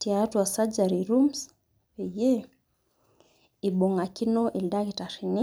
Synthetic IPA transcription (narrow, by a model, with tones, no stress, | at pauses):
tiatu˨a˨sad͡ʒaɾiɾums | ɛ˨je˦ | i˨ɓɔ˨ŋa˨ki˦nɔ˦ʔi˨lda˦ki˨taɾini˦